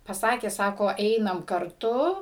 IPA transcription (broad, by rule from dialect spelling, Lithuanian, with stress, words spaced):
pɐˈsɑːkʲeː ˈsɑːkoː ˈɛɪnɐm kɐrˈtʊ